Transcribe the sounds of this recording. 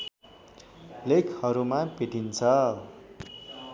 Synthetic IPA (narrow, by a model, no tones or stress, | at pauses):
lekʰhʌɾumãpeʈint͡sʰʌ